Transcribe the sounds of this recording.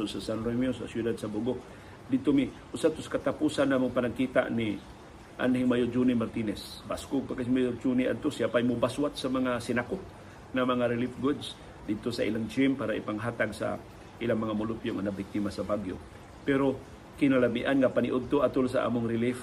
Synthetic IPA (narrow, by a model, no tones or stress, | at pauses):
ʊnsasanɾomiosa̰sjud̪ad̪sabuɡo | d̪ɪd̪̚t̪omi | ʔʊsat̪ʊskat̪apusanamʊŋpanaɡ̚kit̪a̰ʔni | ʔa̰nhiŋmajʊd͡ʒunimaɾt̪inɛsbaskʊɡ̚pakasmajʊɾd͡ʒunia̰d̪̚t̪osiapajmʊbaswat̪samaŋasɪnako | ŋamaŋaɾɪlifɡʊd̪s | d̪ɪd̪̚t̪osaʔḭlaŋt͡ʃimpaːɾaḭpaŋɦaːt̪aɡsa̰ | ʔilaŋmɐŋamʊlʊpjoŋanabik̚t̪imasabaɡjo̰ | pɛɾo | kɪnalamiʔanŋapaniʔʊd̪̚t̪oʔat̪ʊlsa̰ʔa̰mʊŋɾɪlif